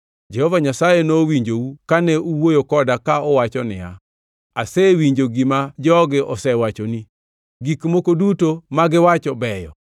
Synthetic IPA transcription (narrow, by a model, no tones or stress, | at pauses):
d͡ʒɛhɔvaɲasajenowiɲd͡ʒoukanɛʔuwojokɔdakaɔwat͡ʃɔnɪ̰a̰ | asɛwiɲd͡ʒoɡimad͡ʒɔɡɪʔɔsɛwat͡ʃoni | ɡikmokodutomaɡɪwat͡ʃɔbɛjɔ̰